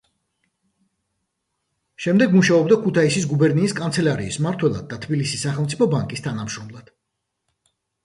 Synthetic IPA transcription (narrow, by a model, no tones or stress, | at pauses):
ʃɛmd̪ɛɡmuʃaɔbd̪akʰut̪ʰaisisɡubɛɾniːskʼant̪sʰɛlaɾiːsmaɾt̪ʰwɛlˠa̰d̪̚ːat̪ʰbilisisːaχɛlˠmsʰi̥pʰɔbaŋkʼist̪ʰanamʃɾɔmlˠad̪̥